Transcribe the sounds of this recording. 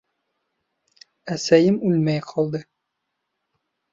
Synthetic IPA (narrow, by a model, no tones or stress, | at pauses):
æsæjɘmʉlmæjqʰɒlˠd̪ɤ